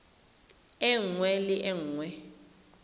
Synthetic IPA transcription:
ɛŋwɛlɪʔɛŋwɛ

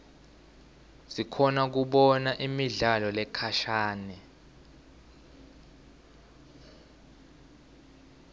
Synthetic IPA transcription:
zikʰɔnak̬uɓɔnaʔimiɮalɔlɛkʰaʃaːnɛ

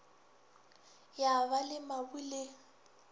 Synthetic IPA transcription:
jaβalɪmabulɪ

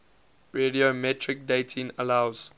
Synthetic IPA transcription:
ɹediomɛtʰɹik̚detʰĩŋəlaʊz̥

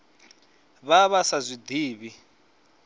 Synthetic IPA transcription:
βaβasazʷid̪iːβi

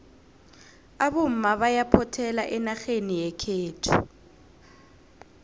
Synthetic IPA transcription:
aβom̩maβajapʰɔtʰɛlaʔɛnaxenijɛkʰeːtʰu

